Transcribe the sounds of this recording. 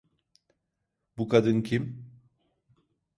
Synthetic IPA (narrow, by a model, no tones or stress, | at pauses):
bukʰad̪ɯncʰim